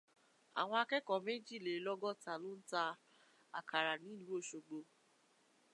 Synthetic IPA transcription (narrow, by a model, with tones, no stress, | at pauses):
a̰˨w̃ɔ̃˧a˧kɛ˦kɔ˨mẽ˦d͡ʒi˦˨le˨˦lɔ˦ɡɔ˦˨ta˨lo˦n̩˦ta˧ | a˨kʰa˨ɾa˨nĩ˨˦i˦˨lu˨˦o˦˨ʃo˧ɡ͡bo˧